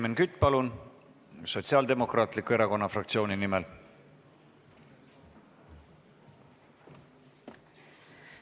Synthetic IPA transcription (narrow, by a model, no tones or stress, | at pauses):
menkyt̪ːˑpɑlun | so̞t̪siɑld̪e̞mo̞krɑːt̪ˑlikue̞ɾɑko̞nːɑfrɑk̚t̪sio̞ːninimel